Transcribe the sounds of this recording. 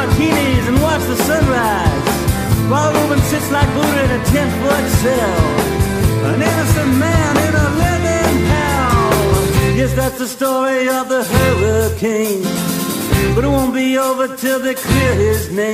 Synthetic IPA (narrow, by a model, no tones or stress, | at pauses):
kʰĩnizɨ̃nwɑt͡ʃðəsʌ̃nɹaɪz̥ | waɪðəoʊpɨ̃nsɪtslaɪk̚b̥uɾɨ̃ɾɨtʰɛ̃nbʌdsɛ | lˠ | ə̃nɪnɨsɨ̃nmæ̃nɪ̃nəlɛnɪ̃ndaʊʊ̃njɛsðætsðɨstɔɹiʌvðəɦɜ˞vəkʰɪ̃ŋ | b̥ʌɾɨt̚wõʊ̃nb̥ioʊvə˞tʰɪlˠðɨkʰl̥ɪɹɪznẽɪ̃